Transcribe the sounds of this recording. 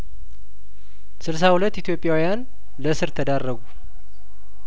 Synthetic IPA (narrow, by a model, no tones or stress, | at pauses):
sɨls̬ahulət̪ːit̪ʰjo̞pʼjawijan | ləsɨɾt̪ʰəd̪arːəɡu